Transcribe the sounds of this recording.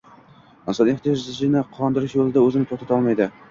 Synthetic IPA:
ɪnsɒneχt̪ijɒʒzɪzɪnɪqʰɒnd̪ɪɾɪʃjolˠɪd̪aɵzɪnɪt̪ʰot̪at̪ʰɒlˠmajd̪ɪ

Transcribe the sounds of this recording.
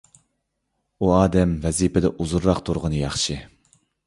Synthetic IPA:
uɑːd̪ɛmvɛzipʰɪd̪ɛʔuzuɾːɑqt̪ʰuɾʁənɨjɑχʃɨ

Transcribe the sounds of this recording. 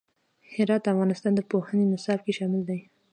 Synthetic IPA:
hɪɾɑt̪̚d̪əafɣɑnɪst̪ɑnd̪əpohənenɪsɑbkeʃɑmɪld̪aj

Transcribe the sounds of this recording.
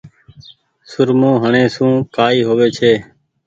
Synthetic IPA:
sʊɾmõːɦəɳẽːsũːkaːiːɦoːʋeːt͡ʃʰeː

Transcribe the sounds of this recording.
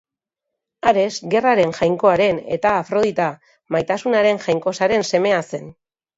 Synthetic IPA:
aɾe̞sɡe̞raɾe̞ŋʝajŋko̞aɾe̞ne̞̰t̪aːfɾo̞ð̞it̪a | majt̪asunaɾe̞ŋʝajŋko̞saɾe̞nse̞me̞ase̞n

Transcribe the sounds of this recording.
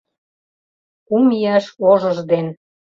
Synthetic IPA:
umiɑʃoʒə̆ʒd̪en

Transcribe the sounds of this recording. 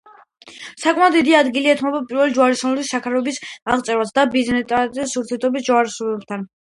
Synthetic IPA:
sakʼmad̪id̪iad̪ɡiliɛt̪ʰmɔbapʼiɾvɛlid͡ʒuaɾisɔnɛlisːakʰaɾɛbisaʁt̪sʼɛɾwasd̪abiznɛt̪ʼat̪ɛsuɾt̪ʰijɛɾt̪ʰɔbisd͡ʒaɾisɔɛb̚t̪ʰan

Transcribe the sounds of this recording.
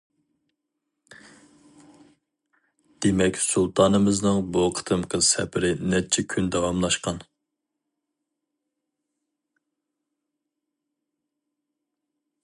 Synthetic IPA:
d̪̥emɛkʲsulˠt̪ʰɑːnɨmɨznɨŋboqʰə̥t̪ʰɨmqʰəsɛpʰɪɾɪnɛt͡ʃʰɛkʲʰynd̪ɛwɑmlˠɑʃqɑn

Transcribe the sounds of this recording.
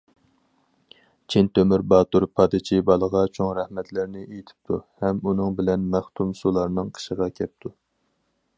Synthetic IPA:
t͡ʃʰint̪ømyɾbɑːt̪uɾpʰɑd̪ɨt͡ʃʰibɑlˠəʁɑt͡ʃʰoŋɾɛhmɛt̪lɪɾnɪʔejit̪ʰɪ̥p̚t̪ʰṵhɛmunɨŋbɪlɛnmæχt̪ʰumsulˠɑɾnɨŋqʰə̥ʃəʁɑkʲʰɛp̚t̪ʰu

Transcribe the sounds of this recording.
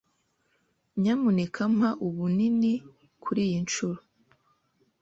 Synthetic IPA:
ɲamunekʰam̥haʔuβunini | kʰuɾiːjint͡ʃuɾo

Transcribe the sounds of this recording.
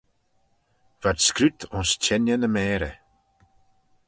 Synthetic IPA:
v̥adskɾʉt̪ʰʊnst͡ʃʰɛnjənəmɛːɾə̰

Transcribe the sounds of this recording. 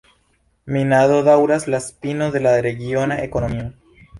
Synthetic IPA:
minaðoðawɾaslaspinoðe̞laɾe̞ɡionaekonomio

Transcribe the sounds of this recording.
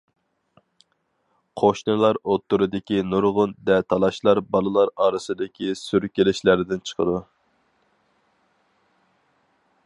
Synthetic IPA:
qʰoʃnɨlˠɑɾot̪ːuɾɨd̪ɪkʲinuɾʁʊnd̪ɛt̪ʰɑlˠɑʃlˠɑɾbɑlˠɨlˠɑɾɑːɾɨsɨd̪ɪkʲisyɾkʲelɪʃlæɾd̪ɪnt͡ʃʰə̥qʰəd̪u

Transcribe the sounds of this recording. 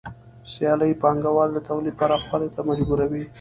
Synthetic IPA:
sjɑləjpɑŋɡawɑld̪at̪awlipɑɾaxpalet̪amad͡ʒbuɾawi

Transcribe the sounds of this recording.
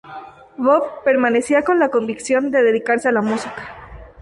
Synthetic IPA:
βoβpe̞ɾmane̞siako̞nlako̞mbiksjo̞nd̪e̞ðe̞ðikaɾse̞alamusikḁ

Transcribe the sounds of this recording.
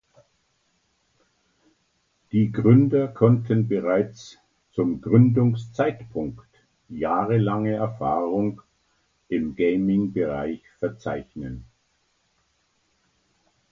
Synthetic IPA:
d̥iːɡʁʏndɐkʰɔntʰənbəʁaɪt͡s | t͡sʊmɡʁʏndʊŋst͡saɪtpʰʊŋkt | jaːʁəlaŋəɛɐfaːʁʊŋ | ʔɪmɡeɪmɪŋbəʁaɪçfɛɐt͡sa̰ɪçnən

